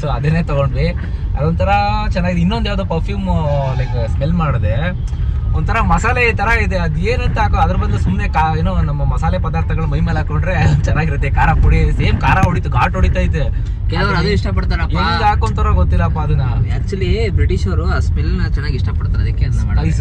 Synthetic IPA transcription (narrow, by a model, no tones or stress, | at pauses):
soːɐd̪ɐnːeːt̪ɐɡoɳɖɾi | ɐd̪ont̪ʰɐɾɐt͡ʃɛnːaːɡid̪inːond̪jaːd̪opɐɾpʰjuːmleːksmelmaːɽd̪e | ond̪t̪ʰɐɾɐmɐsaːleit̪ɐɾɐid̪eɐd̪ueːnɐnt̪aːkoɐd̪ɐɾɐbɐd̪lesumnekaeːnoːnɐmːɐmɐsaːlepɐd̪aːɾt̪ʰɐɡɐɭɐmɐɦjimeːlaːkoɳɖɾet͡ʃɛnːaːɡiɾɐt̪ːekaːɾapuɽiseːmkaːɾaɦoɽit̪uɡaːʈoɽit̪aːjt̪ːe | kɛlɐʋɐɾɐd̪uiʂʈɐpɐɽt̪aːɾɐpend̪aːkont̪ɐɾɐɡot̪ːilːɐːpːaɐd̪unːɐæk̚t͡ʃulipɾeʈiʃɐɾuaːsmelt͡ʃɛnːaːɡiʂʈɐpɐɽt̪aɾɐd̪ikːeɐjs